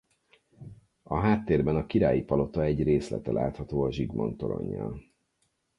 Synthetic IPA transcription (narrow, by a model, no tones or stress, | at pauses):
ɒɦaːt̪ːeːrbɛnɒkiɾaːjipɒlo̞t̪ɒɛɟreːslɛ̰t̪ɛlʔa̰ːt̪hɒt̪oːɒʒiɡmo̰nt̪oɾo̰ɲːɒ̰l